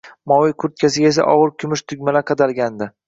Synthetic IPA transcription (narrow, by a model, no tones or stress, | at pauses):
mɒwɪjkʰʊɾt̪̚kʰʲasɪɡʲes̬a̰ʔɒʁɨɾkʲʰʊmɪʃt̪ʰʊɡʲmalaqʰɑd̪alɡʲand̪ɪ